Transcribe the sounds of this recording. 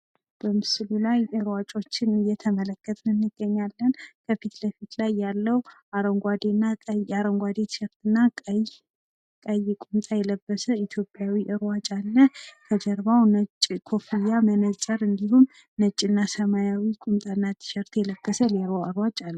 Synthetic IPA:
b̥əmɨsɨlulajʔɨɾwat͡ʃʼo̞t͡ʃːɪnɨjːɛt̪ʰəmələkʰːət̪ʼnɨnːɨɡ̥ːəɲːalːənkʰəfit̪ləfit̪lajːalːəwaɾəŋɡʷad̪enːaaɾəŋɡʷwad̪et̪ʰɨ̥ʃɛɾt̪ɨnːa | kʼəjːɪkʼumt̪ʼajɛləbːəsəit̪ʰjopʼjawiʔɨɾwat͡ʃʼalːəkʰəd͡ʒəɾβawnət͡ʃʼːkʰo̞fijːamənət͡ʃʼəɾɨnd̪iɦumː | ət͡ʃʼːɪnːasəmajawikʼumt̪ʼaɨnːat̪ʰɨ̥ʃɛɾt̪ʰjɛləb̥ːəsəleɾoəɾwat͡ʃʼalːə

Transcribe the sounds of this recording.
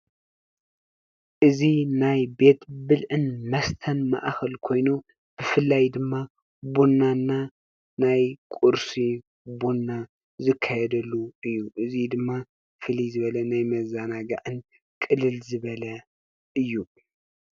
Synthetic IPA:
ʔɨzinajbe̞t̪bɨlʕɨnmɐst̪ʰɐnma̰ʔxɐlkʰo̞jnu | b̥ɨfɨlːajd̪ɨmːa | bunːanːa | najkʼuɾsi | bunːa | zɨkʰːajɛd̪ɐlːuɨjːuʔɨzid̪ɨmːa | fɨlizɨβɐlɐnajmɐzanaɡaʕɨn | kʼɨlːɨlzɨβɐlɐ | ʔɨjːu

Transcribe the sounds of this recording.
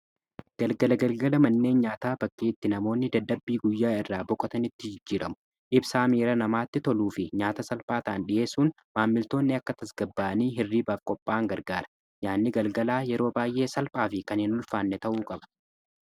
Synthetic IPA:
ɡ̥ɐlɡɐlɐɡɐlɡɐlɐmɐnːe̞ːnɲaːt̪aːbɐkːiːt̪ːɪnɐmo̞ːnːɪd̪ɐd̪ːɐbːiːɡʊjːaːɪrːaːbɔkʼɔt̪ɐnɪt̪ːɪd͡ʒɪd͡ʒːiːɾʔɐmʊ̥ | ʔɪbsaːmiːɾɐnɐmaːt̪ːɪt̪ɔluːfɪɲaːt̪ɐsɐlpʼaːt̪aːnɗɪje̞ːsuːn | maːmːɪlt̪o̞ːnːɪɐkːɐt̪ɐsɡ̥ɐbːaːɐniːɦɪrːiːbaːfkʼɔpʼːaːŋɡɐɾɡaːɾɐ̥ | jaːnːɪɡɐlɡɐlaːjɛɾo̞ːbaːjʔe̞ːsɐlpʼaːfɪkɐnɪnʊlfaːnːɛt̪ɐʔuːkʼɐbɐ̥

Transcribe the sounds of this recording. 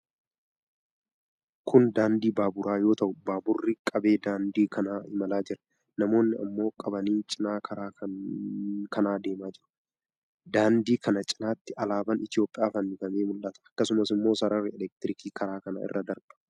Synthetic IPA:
kʊnd̪aːnd̪iːbaːbʊɾʔaːjo̞ːt̪ɐʔʊbaːbʊrːɪkʼɐbe̞ːd̪aːnd̪iːkʰɐnaːɪmɐlaːd͡ʒɪɾɐ̥ | nɐmo̞ːnːɪɐ̰mːo̞ːkʼɐbɐniːt͡ʃʼɪnaːkʰɐɾaːkɐ | kʰɐnaːd̪e̞ːmaːd͡ʒɪɾʊ̥ | d̪aːnd̪iːkɐnɐt͡ʃʼɪnaːt̪ːɪɐlaːbɐnɪt̪ɪjo̞ːpʼːɪjaːfɐnːɪɡɐmeːmʊlːɐt̪ɐ̥ɐkːɐsʊmɐsɪmːo̞ːsɐɾɐrːɪɛlɛk̚t̪ɪɾɪkiːkɐɾaːkɐnɐ̰ɪ̰rːɐd̪ɐɾb̥ɐ̥

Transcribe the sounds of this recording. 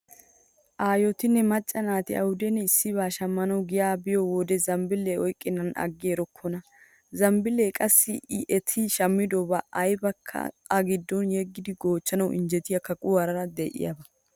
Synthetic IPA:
ʔaːjɔt̪ɪnːɛmɐt͡ʃʼːɐnaːt̪ɪɐ̰wʊd̪ɛnːɛɪsːɪβaːʃɐmːɐnɐwɡɪjaːbɪjɔwɔd̪ɛzɐmbɪlːeɔjkʼːɪnɐnɐ̰ɡːeːɾɔkʰːɔnɐ | zɐmbɪlːeːkʼɐsːɪɪʔɛt̪ʰiʃɐmːɪd̪oːbɐɐjbɐkʰːɐ̰ | ɐɡɪd̪ːɔnjɛɡːɪd̪ɪɡo̞ːt͡ʃːɐnɐwʔɪ̰nd͡ʒɛt̪ɪjɐkɐkʼʊɐɾɐɾɐd̪ɛʔɪ̰jɐ̰bɐ

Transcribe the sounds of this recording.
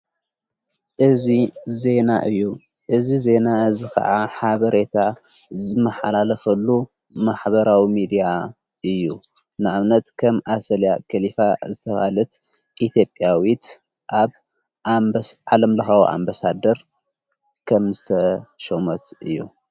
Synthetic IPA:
ʔɨzize̞naʔɨjːu | ʔɨzize̞naɨzixʰɐ̰ʕaħaβɐɾe̞t̪ʰa | zɨmːɐħalalɐfɐlːu | maħbɐɾawimid̪ija | ʔɨjːu | nɨʕaβnɐt̪kʰɐmʔasɐljakʰɐlifazɨt̪ʰɐfa̰lɐt̪ | ʔit̪ʰjo̞pʼjawit̪ | ʔaβ | ʕalɐmlɐxawʔa̰mbasad̪ɐɾ | kʰɐmzɨt̪ʰɐʃomɐt̪ʔɨjːṵ

